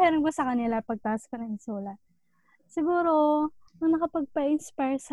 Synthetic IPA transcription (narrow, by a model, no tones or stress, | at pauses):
hɛːɾonkosɐkɐnɪlapɐɡ̚t̪aːskɐnɐŋɪnsuːlɐ | sɪɡuːɾo̞ | ɐŋnɐkɐpɐɡ̚pɐʔɪnspajɹsɐ